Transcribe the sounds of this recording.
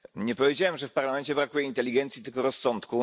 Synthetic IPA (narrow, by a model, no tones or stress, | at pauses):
ɲɛpɔvʲjed͡ʑawɛmʐɛfpaɾlamɛnt͡ɕɛbɾakujɛint̪ɛlʲiɡɛnt̪sʲjit̪ɘlkɔɾɔsːɔnt̪ku